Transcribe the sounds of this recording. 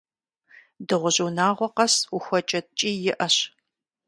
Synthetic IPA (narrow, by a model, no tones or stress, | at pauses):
dɨʁʷʊʑuwnaːʁʷɔqɐsuxʷɔt͡ʃʼɐtt͡ʃʼiːjɪʔɐɕ